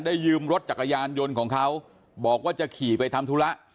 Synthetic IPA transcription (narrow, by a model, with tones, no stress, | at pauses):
ndaː˥˩jːɯː˧mɾo˦˥t̪̚t͡ɕa˨˩k̚ʔa˧jaː˧njo˧nkʰɔː˩˦ŋkʰa˦˥w | bɔː˨˩k̚waː˥˩t͡ɕa˨˩kʰiː˨˩pa˧jt̪ʰa˧mt̪ʰu˦˥la˦˥ʔ